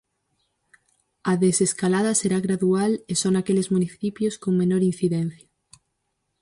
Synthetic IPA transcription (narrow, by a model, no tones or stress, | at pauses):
aðeseskalað̞aseɾaɣɾaðualesonakelezmuniθipjoskoŋmenoɾin̟θiðen̟θja